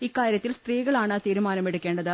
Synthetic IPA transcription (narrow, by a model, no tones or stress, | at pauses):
ikːaːɾjɐt̪ːilst̪riːɣɐɭaːɳɐt̪iːɾumaːnɐmeɽukːe̞ːɳɖɐðɨ